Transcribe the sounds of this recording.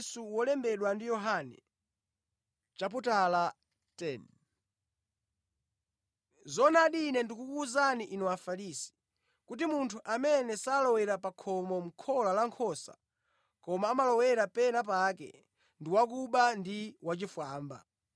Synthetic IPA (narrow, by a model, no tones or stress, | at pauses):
suwɔlɛmbɛɗwandijɔɦanɛ̰ | t͡ʃap̬utala | tɛn | zɔnaɗinɛndikukuːzaniʔinɔafaɾisi̥ | kut̬imuntʰuʔamɛnɛsaːlɔwɛɾapakʰɔmɔm̩kʰɔlalaŋkʰɔsa̰ | kɔmaːmalɔwɛɾapɛnap̬akɛ̰ | ndiwak̬uɓandiwat͡ʃifwaːmba̰